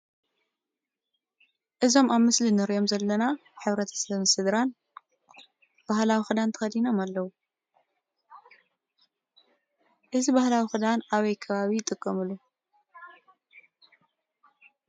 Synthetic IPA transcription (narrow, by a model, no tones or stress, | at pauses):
ʔɨzo̞maβmɨslinɨɾʔo̞mzɐlːɐnaħɨβɾɐt̪ʰɐ̥sɐβɨnsɨd̪ɾan | b̥ahlawixɨd̪ant̪ʰɐ̥xɐd̪ino̞malːɐwu | ʔɨzibahlawixɨd̪anaβɐjkʰɐβaβiɪt̪ʼɨkʼːɐmɨlːu